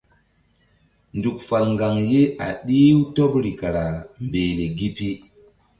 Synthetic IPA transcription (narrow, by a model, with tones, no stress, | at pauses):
ndu˨k̚fa˨lŋɡa˨ŋje˦a̰˨ɗi˦wto˦pɾi˨ka˨ɾa˨mbeː˨le˨ɡi˦pi˦